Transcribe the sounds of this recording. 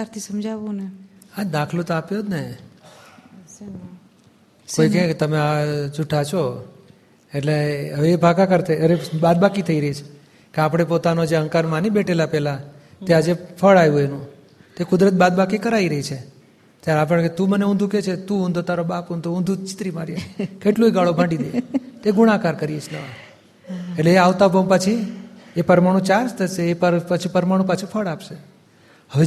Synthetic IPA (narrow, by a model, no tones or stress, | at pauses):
aɾt̪ʰisəmd͡ʒaʋunead̪akʰlot̪oapjod̪ne | koikẽket̪əmeat͡ʃuʈʰat͡ʃʰo | eʈleəʋeːbʱakakəɾt̪ʰeəɾebad̪̚bakit̪ʰəiɾəɦit͡ʃʰe̥ | keapɽ̃epot̪anod͡ʒeə̃ŋkaɾmãnibeʈʰelapɛla | t̪ead͡ʒepʰəɭajũenũ | t̪ekʊd̪ɾət̪̚bad̪̚bakikəɾaiɾəɦit͡ʃʰe | t̪jaɾeap̬əɽket̪ũməneũnd̪ʱũket͡ʃʰet̪ũʊ̃nd̪ʱot̪aɾobapund̪ʱoũnd̪ʱut͡ʃɪ̥t̪ɾimaɾjakeʈloiɡaɭobʱãɳɖid̪et̪eɡuɽ̃ãkaɾkəɾiet͡ʃʰnə | eʈleːaʋt̪abʱəmpət͡ʃʰiepəɾmaɽ̃ũt͡ʃaɾst̪ʰəʃeːpəpət͡ʃʰipəɾmaɽ̃ũp̬ət͡ʃʰifʰəɭapʃe | hə